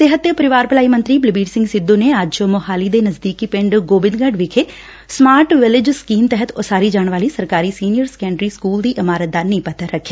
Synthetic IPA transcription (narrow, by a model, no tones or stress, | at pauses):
t̪eːɦət̪ːjəpəɾɪʋaːɾpɪlaːimə̃nt̪ɾiːbləbiːɖsɪ̃ŋɡsɪd̪ːõːneːad͡ʒomʊɦaːliːd̪eːnəzd̪iːkiːpɪ̃ɳɖɡoːbɪ̃nɡəɖʋɪkʰeː | smaːɾʈʋɪlɪd͡ʒskiːmt̪ɛɦət̪osaːɾiːd͡ʒaːɳʋaːliːsəɾkaːɾiːsiːnɪijəɾskɛ̃ːɳɖɾiːskuːld̪iːʔɪmaːɾət̪̚d̪anĩːpət̪əɾəkʰːaː